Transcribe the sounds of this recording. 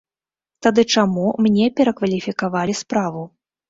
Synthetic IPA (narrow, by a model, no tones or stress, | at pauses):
t̪ad̪ɨt͡ʂamumnʲɛpʲɛɾɐkvɐlʲifʲikavalʲispɾavu